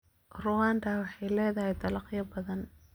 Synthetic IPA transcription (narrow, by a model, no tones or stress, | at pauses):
rʊwaːnd̪awɑħɑjlɛːðɐɦɛjd̪ɐlɑqjɐbɐðɐn